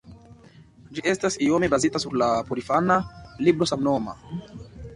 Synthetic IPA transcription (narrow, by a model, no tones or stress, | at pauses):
d͡ʒiʔe̞stasio̞me̞bazitasuɾlapoɾifanalibɾo̞samno̞ma̰